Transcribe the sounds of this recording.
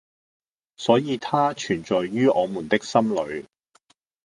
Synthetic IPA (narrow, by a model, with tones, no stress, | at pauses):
sɔː˨˥jiː˨˧t̪ʰaː˥t͡ʃʰyː˨˩nt͡ʃɔː˨jːyː˥ʔɔː˨˧mu˨˩nt̪ɪ˥k̚sɐ˥mlɵ˨˧ɥ